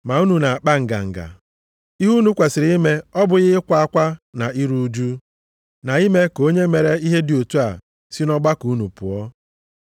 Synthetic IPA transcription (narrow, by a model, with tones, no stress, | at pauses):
ma˨u˦nu˨na˨a˨k͡pa˦ŋ̩˨ɡa̰˨ŋ̩˨ɡa̰˨ | i˦ɦu˦nu˦kʷe˨sɪ˨ɾi˦i˦me˦ɔ˦bʊ˨ɣɪ˦kʷa˨a˦kʷa˦na˨i˦ɾu˦d͡ʒu˦ | na˨i˦me˦ko˦ɲe˦me˨ɾe˦i˦ɦe˦dɪ˨o˨tu˦a̰˨ | si˦nɔ˦ɡ͡ba˦ku˨˦nu˨pʊ̰˨ɔ˦